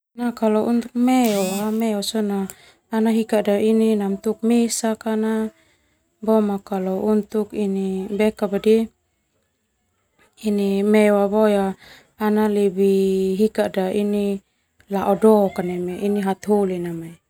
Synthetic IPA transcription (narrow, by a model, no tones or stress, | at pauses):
nakalɔʔunt̪uk̚meoamɛɔsɔnaː | naɦikadaininamt̪uk̚mesakana | bɔmakalɔunt̪ukinibɛkabadi | inimɛwabɔjaː | nalebiɦikadaini | laʔɔdɔkanɛmɛiniɦat̪ɦolinamai